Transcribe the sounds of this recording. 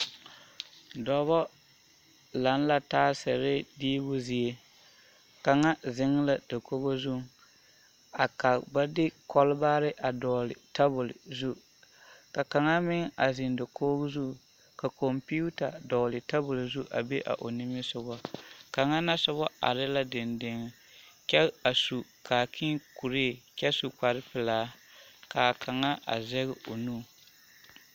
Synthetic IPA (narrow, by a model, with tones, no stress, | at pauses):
dɔ˨βɔ˦ | la˨˦n˦la˨taː˦sɛ˨ɾɪ˦diː˦bʊ˦zi˨e˦ | ka˨ŋa˦zɪ˦ŋ˦la˨da˨ko˦bo˦zu˦ | a˨ka˨ba˦dɪ˦kɔ˦lba˦ɾɪ˦ʔa˨dɔː˨lɪ˨ta˦bʊ˨lzu˦ | ka˨ka˨ŋa˦mɪ˦ŋ˦a˨zɪ˨nda˨ko˦ɡzu˦˨ | ka˨kɔ˨mpi˦u˦ta˨dɔː˨lɪ˨ta˦bʊ˨lzu˦ʔa̰˨be˦ʔa̰˨ʔo˨nɪ˦mɪ˦sʊ˨˦bɔ˦ka˨ŋa˦na˦sʊ˦bɔ˦a̰˨ɾɪ˦la˦dɪ˨ndɪ˨ŋ˨ | kɛ˦a˨su˨ka˨kʰi˦ku˨ɾeː˦˨kʲɛ˦su˨k͡pa˨ɾɪ˦pɪ˨laː˦ka˨ka˨ŋa˦ʔa̰˨zɛ˦ɣɪ˦ʔo˨nuː˦˨